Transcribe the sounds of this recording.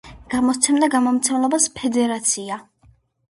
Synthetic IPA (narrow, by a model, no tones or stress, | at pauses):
ɡ̥amɔt̪sʰɛmd̪aɡamɔmt̪sʰɛmlɛbaspʰɛd̪ɛɾat̪sʰia